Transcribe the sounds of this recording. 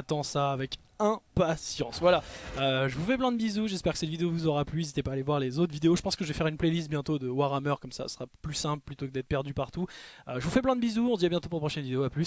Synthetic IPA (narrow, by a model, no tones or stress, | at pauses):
at̪ɑ̃saːvɛk | ɛ̃pasjɑ̃svwalaøʒəvufɛp̬lɛ̃d̪əbizuʒɛspɛʁkə̥sɛt̪vid̪eovuzɔʁaplyezit̪epaːlevwaʁlezot̪χvid̪eoʒəpɑ̃skəʒəvɛfɛʁynplɛlist̪̚bjɛ̃t̪od̪əwaʁamœʁkɔmsa̰sə̥sχaplysɛ̃plplyt̪okəd̪ɛt̪χpɛʁd̪ypaʁt̪uøʒəvufɛplɛ̃d̪əbizuɔ̃d̪iabjɛ̃t̪op̬uʁləpχɔʃɛnvid̪eoaplys